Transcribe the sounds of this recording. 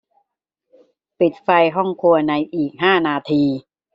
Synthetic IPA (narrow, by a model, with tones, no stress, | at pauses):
pi˨˩t̪̚fa˧jɦɔ˥˩ŋkʰu˧ɐna˧jʔiː˨˩k̚ɦaː˥˩naː˧t̪ʰiː˧